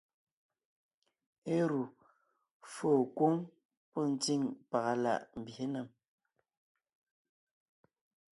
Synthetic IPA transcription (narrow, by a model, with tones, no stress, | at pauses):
e˦ɾu˨ | foː˦˨kwo˦ŋ | pɔ˦˨n̩˦t͡si˦˨ŋpa˨ɣa˨la̰˦˨ʔm̩˨bje˦na˨m